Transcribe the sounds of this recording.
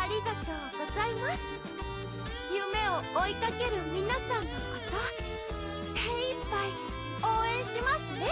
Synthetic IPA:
aɾʲiɡat̪o̞ːɡo̞zaimasɨ | jɯme̞o̞oikake̞ɾɯ̟mʲinasãnːo̞kat̪a | t̪eipːai | o̞ːẽ̞ɰ̃ɕimasɨne̞

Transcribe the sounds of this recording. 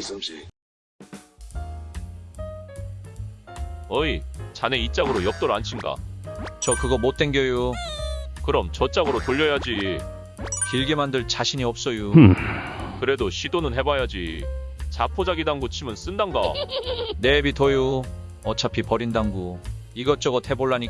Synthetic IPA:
ʌit͡ɕane̞it͡ɕ͈aɡɯɾojʌk̚t͈oɾant͡ɕʰinɡa̰t͡ɕʌkɯɡʌmot̚t͈e̞nɡjʌjo | kɯɾʌmt͡ɕʌt͡ɕ͈aɡɯɾotoʎːʌjad͡ʑi | kiɭɡemandɯɭt͡ɕaɕʰiɲiʌp̚s͈ʌjo | kɯɾe̞doɕʰidonɯnɦe̞bajad͡ʑḭt͡ɕapʰod͡ʑaɡidaŋɡut͡ɕʰimɯns͈ɯndanɡa | nebitʌjo | ʌt͡ɕʰapʰipʌɾindaŋɡo | iɡʌt͡ɕ͈ʌɡʌtʰe̞boɭːaɲi

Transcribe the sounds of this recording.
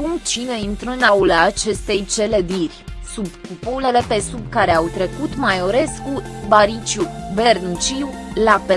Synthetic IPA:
kumt͡ʃineint̪ɾənaulaːt͡ʃe̞st̪e̞jt͡ʃe̞le̞d̪irʲsubkupule̞le̞pe̞sub̚kaɾe̞awt̪ɾe̞kut̪majoɾe̞skubaɾit͡ʃubernut͡ʃiw | lape

